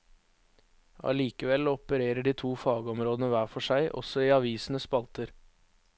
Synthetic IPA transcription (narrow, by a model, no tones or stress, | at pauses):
ɑ̰liːkəʋɛlɔpəɾeːɾəɖiːt̪ʰuːfɑːɡəɔmɾoːd̪ənəʋæːfɔʂæɪʔɔ̰sɔiːɑʋiːsn̩əspɑlt̪əɾ